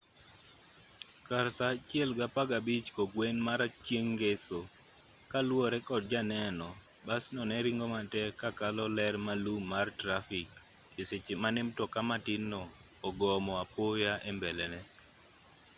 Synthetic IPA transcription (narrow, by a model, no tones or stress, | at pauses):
kaɾsat͡ʃjɛlɡapaɡabit͡ʃkoɡwenmaɾat͡ʃjeŋɡeso | kalwɔɾɛkɔt̚d͡ʒanɛnɔ | basnɔnɛɾiŋɡɔmatɛkakalɔlɛɾmalumːartɾafɪkː | ɪset͡ʃɪmanɪmtɔkamatɪnːɔː | ɡɔmɔapojaʔembɛlɛnɛ